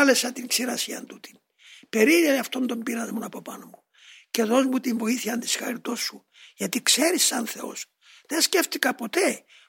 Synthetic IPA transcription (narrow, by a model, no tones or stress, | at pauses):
lesɐt̪iŋksiɾɐsiɐ̰nt̪ut̪i̥n | pe̞ɾiɾɐniɐft̪o̞nd̪o̞mbiɾɐzmonɐpopɐnomu | ceðo̞zmut̪iɱvo̞iθiɐnd̪isxɐ̰ɾit̪o̞sːu | ʝɐt̪ikse̞ɾisːɐnθe̞o̞̰s | ðensce̞ft̪ikɐpo̞t̪e̞